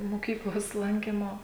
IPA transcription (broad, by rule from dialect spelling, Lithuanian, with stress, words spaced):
moːˈkʲiːklˠoːs ˈlˠɐŋʲkʲiːmoː